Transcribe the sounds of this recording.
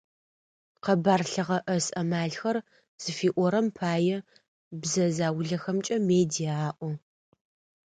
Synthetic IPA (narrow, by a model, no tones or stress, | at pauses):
qɐbaːrɬɨʁɐʔɐsɐmaːɮxɐr | z̥ɨfiːʔʷɔɾɐmpʰaːjɛ | bzɐzaːwʊɮɐxɐmt͡ʃʼɐmeːdijaaːʔʷɔ